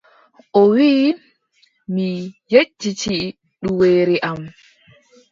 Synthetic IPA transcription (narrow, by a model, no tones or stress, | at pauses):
ʔɔwiː | mijed͡ʒːit͡ʃi | ɗuweːɾiʔam